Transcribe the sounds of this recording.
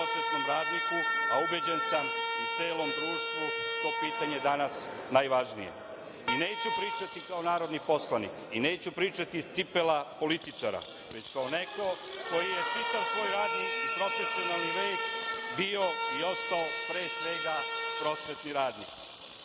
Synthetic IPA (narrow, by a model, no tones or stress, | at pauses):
osʋet̪nomɾaːd̪nikuaubed͡ʑensamut̪seːlo̞md̪ɾuːʃt̪ʋut̪o̞ːpiːt̪aɲed̪anasnajʋaʒnḭje̞̰ | ine̞ːt͡ɕupɾiːt͡ʃat̪ikao̞naːɾo̞d̪nipo̞slˠanḭkine̞ːt͡ɕupɾiːt͡ʃat̪ist̪sipelapo̞lit̪it͡ʃaɾa̰ | ʋe̞t͡ɕkaone̞ko̞ko̞jijet͡ʃit̪aʋsʋo̞jɾaːd̪nikipɾo̞fe̞sionalniʋe̞ːt͡ɕbio̞io̞st̪aopɾe̞ːsʋe̞ɡapɾo̞sʋe̞t̪niɾaːd̪nik